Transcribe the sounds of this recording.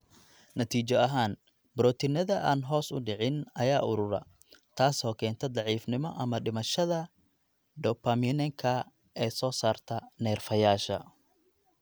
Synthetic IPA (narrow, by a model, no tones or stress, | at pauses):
nɐt̪ʰiːt͡ʃɔɐɦaːn | bɾɔːt̪ʰɪnɐðɐʔaːnɦɔːsʊ̰ɖɪʕɪnɐjaːʔʊɾʊɾɐ̰ | t̪ʰaːsɔːkʰɛːnt̪ʰɐd̪ɑʕiːfnɪmɔʔɐmɐɖɪmɐʃɐðɐ | ɖɔpʰamɪnɛŋkʰɐ | ɛːsɔːsaːrt̪ʰɐnɛːrfɐjaːʃɐ̰